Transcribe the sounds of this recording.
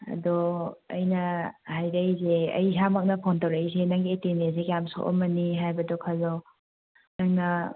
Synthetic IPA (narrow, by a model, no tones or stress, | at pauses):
ɐ̰dɔɐ̰jnɐhajɾɐjzeɐ̰jsamak̚nɐpʰontawɾajsenaŋɡietenes̬ekjamso̰ʔɔ̰mɐniɦajbɐdɔkʰalɔ | nɐŋnɐ